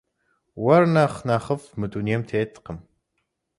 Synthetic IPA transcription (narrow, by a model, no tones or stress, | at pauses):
wɐrnɐχnɐχəfmɨt̪ʼuniɛmt̪ʰeːt̪ʰʼːqəm